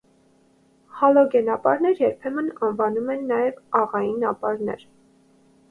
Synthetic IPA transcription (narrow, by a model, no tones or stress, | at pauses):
hɑlɔɡɛnɑpɑɾnɛɾjɛɾpʰɛmənɑnvɑnumɛnːɑjɛvɑʁɑjinɑpɑɾnɛ̰ɾ